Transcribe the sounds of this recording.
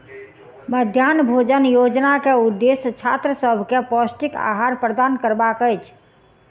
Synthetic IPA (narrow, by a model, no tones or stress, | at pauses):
məd̪ʱjanbʱod͡ʒənjod͡ʒnakeud̪ːest͡ʃʰa̰t̪ɾəsəbʱkepɔsʈika̰ɦaɾpɾəd̪ankəɾbakəjt͡ʃʰ